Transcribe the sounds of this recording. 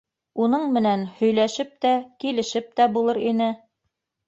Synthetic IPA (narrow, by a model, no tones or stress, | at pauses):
unɤɴmɘ̆nænhɵ̆jlæʃɘp̚t̪ækilɘ̆ʃɘp̚t̪æbulˠɤɾinɘ